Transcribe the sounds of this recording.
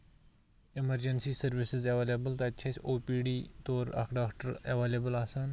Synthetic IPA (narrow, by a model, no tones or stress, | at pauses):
imɐɾd͡ʒɐnsiːsɐɾʋɪsɪzeʋeːlebəlt̪ɐt̪t͡ʃʰɐsʲoːpiːɖiːt̪oːɾɐ̰kɖaːkʈəɾɐ̰ʋelebəlaːsaːn